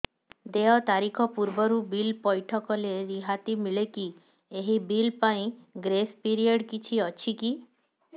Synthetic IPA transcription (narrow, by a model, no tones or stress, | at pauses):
d̪eɔt̪aɾikʰɔpuɾbɔɾubilpɔjʈʰɔkɔleɾiɦat̪imiɭeki | eɦibilpaĩɡɾespiɾiɔɖkit͡ʃʰiɔt͡ʃʰiki